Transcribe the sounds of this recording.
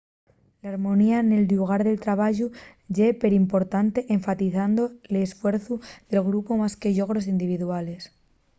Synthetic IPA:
laɾmõ̞niane̞luɣ̞aɾðe̞lt̪ɾaβ̞aʝu | ʝepe̞ɾimpo̞ɾt̪ant̪e̞ʔeɱfat̪iθand̪o̞lesfwe̞ɾθuðe̞lɣɾupo̞maske̞ʎo̞ɣ̞ɾo̞sind̪iβ̞iðuale̞s

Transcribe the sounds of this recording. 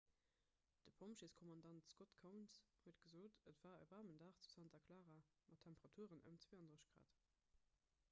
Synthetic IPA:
d̥əpʰomʃeskʰɔmɑndɑntskotkʰəʊnshuətɡ̥əzoːtətv̥aːə̰vɑʁməndaːχt͡su̥sɑntɐkʰlaːʁaː | mɑtʰːæmpəʁɑtʰuəʁənə̰mt͡sw̥eːhɑndəʁəɕɡ̥ʁa̰ːt

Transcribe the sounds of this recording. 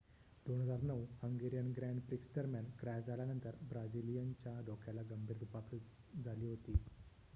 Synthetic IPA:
d̪̥onɦəd͡zaɾnəʋhəŋɡeɾijənɡɾæ̃ɳɖpɾiksd̪əɾmjankɾaːd͡zaljanənt̪əɾbɾad͡zilijənt͡ɕjaɖɔkʰjãlaɡəmbʱiːɾd̪ʱupak | d͡zaliːɦot̪iː

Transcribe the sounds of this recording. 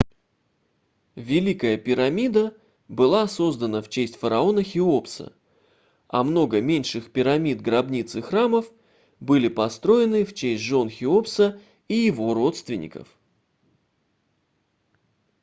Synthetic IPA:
vʲɪlʲikəjəpʲɪɾɐmʲid̪ə | bɨlˠaso̞zd̪ənəft͡ɕesʲtʲfəɾɐo̞nəxʲɪo̞psə̰ | ɐ̰mno̞ɡəmʲenʲʂɨxpʲɪɾɐmʲid̪̚ɡɾɐbnʲit̪sɨxraməf | bɨlʲɪpɐst̪ɾo̞ɪnɨft͡ɕesʲtʲʐo̞nxʲɪopsə | ijɪvo̞ro̞t̪st̪vʲɪnʲɪ̰kə̰f

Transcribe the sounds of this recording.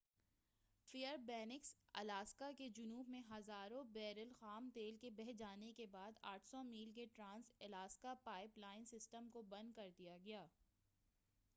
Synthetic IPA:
fijəɾbɛːnɪksɐ̰laːskaked͡ʒʊnuːbmẽɦɐzaːɾõbɛːɾəlxaːmt̪eːlkebɛɦd͡ʒaːnekebaːd̪aːʈʰsɔmiːlkeʈɾãːnsɐlaːskapaːɪplaːɪnsɪsʈəmkobɐ̃nd̪̚kɐɾd̪ijaɡɐjaː

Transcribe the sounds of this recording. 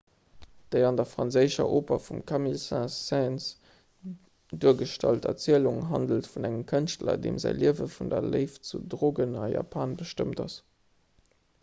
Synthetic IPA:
d̥əɪɑndɐfʁ̥ɑnzəɪʃɐ̰ʔoːpɐfumkʰɑmilsæ̃sɛns | duːɐɡəʃtɑltɐ̰t͡siəluŋɦɑndəltfunæŋəmkʰənʃtlɐ̰dḛːmzæ̰ɪliəvəfundɐləɪft͡sudʁoːɡənɑja̰ːpʰaːnbəʃtəmtɑs

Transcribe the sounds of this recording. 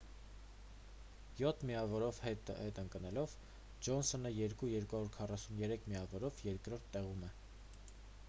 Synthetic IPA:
jɔt̪ʰmiɑvɔɾɔvɛhɛt̪əŋkənɛlɔv | d͡ʒɔnsɔnəjɛɾkujɛɾkuhɑɾuɾkʰɑrɑsunjɛɾɛkʰmiɑvɔɾɔvjɛɾkɾɔɾt̪ʰːɛʁumɛ

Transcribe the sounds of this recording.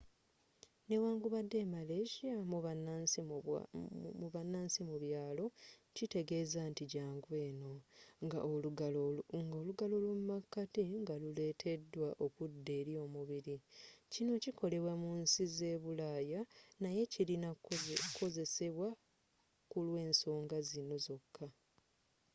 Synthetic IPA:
ne̞waːŋɡuβadːe̞ːmale̞ʃamu | muβanaːnsimuβjaːlo̞cite̞ɡe̞ːzantiɟaːŋɡwe̞ːno̞ŋɡa | ŋɡoːluɡalo̞lwumumakːatiŋɡalule̞ːtʰe̞dːwaʔo̞kudːe̞ːɾjo̞ːmuβiɾicino̞cikʰo̞le̞βwamunsize̞ːβulajanaje̞cilinako̞ze̞se̞βwa | kulwe̞ːnso̞ːŋɡazino̞zo̞kʰːa

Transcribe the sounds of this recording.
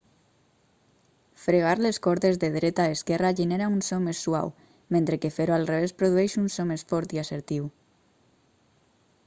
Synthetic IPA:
fɾeɣ̞aɾleskɔɾt̪ezðeðɾet̪aeskɛraʒeneɾaunsomesːwa̰w | mẽnt̪ɾekefeɾoalˠreβ̞espɾoðuɛʃunsomesfɔɾt̪iaseɾt̪iw

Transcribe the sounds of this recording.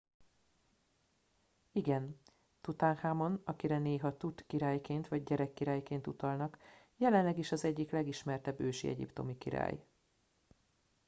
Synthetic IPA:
iɡɛn | t̪ut̪aːnhaːmo̞nɒkiɾɛneːɦɒt̪ut̪kiɾaːjkeːnt̪ʋɒɟ̚ɟɛɾɛkːiɾaːjkeːnt̪ut̪ɒlnɒk | jɛlɛnlɛɡiʃɒzɛɟːiklɛɡiʃmɛrt̪ɛbːøːʃḭɛ̰ɟḭpt̪o̞mikiɾa̰ːj

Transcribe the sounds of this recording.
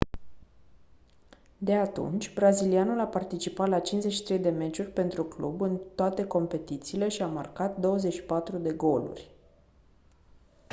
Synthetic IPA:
d̪e̞at̪ṵnt͡ʃʲbɾazilianulapart̪it͡ʃipat̪lat͡ʃinzeʃi̥t̪ɾejd̪e̞me̞t͡ʃurʲpe̞nt̪ɾuklṵbɨnt̪oat̪e̞ko̞mpe̞t̪it̪siːle̞ʃiamarkat̪̚d̪o̞wəze̞ʃi̥pat̪ɾud̪e̞ɡo̞lṵrʲ

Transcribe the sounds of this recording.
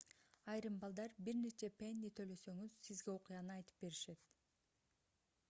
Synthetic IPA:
ɑjɾɯmbɑlˠd̪ɑɾbiɾne̞t͡ʃe̞penʲːit̪ʰøjlø̞sø̞ŋyz̥sizɡe̞o̞qujɑnɯɑjt̪ɯ̥p̚be̞ɾiʃe̞t̪

